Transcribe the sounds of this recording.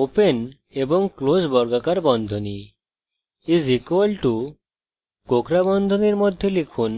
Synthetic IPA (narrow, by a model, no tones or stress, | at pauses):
open | ebɔŋklosbɔɾɡakaɾbɔnd̪ʱoni | izikolʈu | kokɾabɔnd̪ʱoniɾmɔd̪ʱːjolikʰun